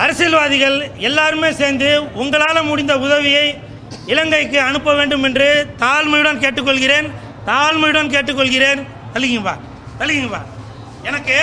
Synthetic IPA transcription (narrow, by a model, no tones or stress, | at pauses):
ɐɾɐsɪlʋaːðɪɣɐɭɛlːaːɾɯmeːseːɾnd̪ɯʊŋɡɐɭaːlɐmʊɽɪnd̪ɐʊðɐʋɪjɐɪ | ɪlɐŋɡɐɪkːɯɐnɯpːɐʋeːɳɖɯmɛndrɯt̪aːlmɐɽɐnkeːʈːɯkːɔɭɣɪreːn | t̪aːlmʊɽɐnk̬eːʈːɯkːɔɭɣɪreːn | t̪ɐlːɪɣɪŋba̰ː | t̪ɐlɪɣɪŋba̰ː | ɛnɐkːɯ